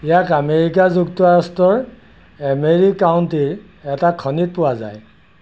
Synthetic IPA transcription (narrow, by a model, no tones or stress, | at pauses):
ijakameɹik̬azuktuaɹɔstɔɹ | ameɹikːawntiɹ | ɛtakʰɔnit̚pʊwaza̰j